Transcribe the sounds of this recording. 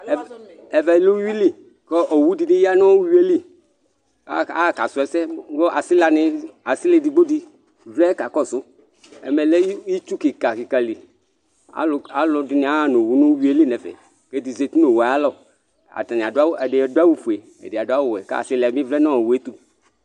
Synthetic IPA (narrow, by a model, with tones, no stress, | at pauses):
ɛ˨vɛ˨˦lu˦wi˦li˦ | kɔ˦ʔo˨wu˦di˨dɪ˦ji˦a˦nɔ̃˦wwi˦e˦li˦ | a˦a̰˦˨ka˨sʊ˨˦ɛ˦sɛ˦ɡo˦ʔa˨sɪ˦la˨nɪ˨a˨si˦le˦di˨ɡ͡bo˦di˦ | vlɛ˦ka˨kɔ˦sʊ˦ | ɛ̰˨me˨le˦ji˦t͡ʃu˦ki˨ka˨ki˨ka˨li˨ | a̰˦la˦lɔ˨dɪ˦nɪ˨a˦a˦˨no˨wu˦nõ˦wi˦e˦li˦ne˨vḛ˨ | ke˦di˨ze˨t̪u˦no˨wa˨a˦lɔ˨ | a̰˨t̪a˨nɪ̃˨a˨da˦wɛ˨de˨do˦a˦wu˦fu˨e˨ | ḛ˨dɪ˨a˨dʊ˦a˦wʊ˨ɛ˨ka̰˦˨sɪ˦la˨˦mĩ˦vlɛ˦nɔ̃˦o˨wu˦e˦t̪u˦